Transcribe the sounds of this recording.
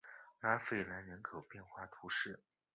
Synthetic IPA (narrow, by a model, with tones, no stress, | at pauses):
na˧˥fe˨˩ɪla˧˥nɻə˧˥nkʰɤ˨˩ʊpjɛ˥˧nxwa˥˩t̪ʰu˧˥ʂɻ̩˥˩